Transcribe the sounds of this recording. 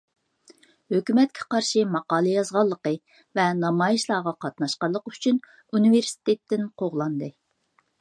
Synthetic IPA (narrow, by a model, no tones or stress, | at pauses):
høkʲymɛt̪̚kʲʰɛ̥qɑɾʃimɑqɑːlˠɨjɑzʁɑlˠːəqə | vɛnɑmɑːjiʃlˠɑːʁɑqɑt̪nɑʃqɑɾlˠəqyt͡ʃʰyn | univeɾsi̥t̪ʰet̪ːɪnqʰoʁlˠɑnd̪ɨ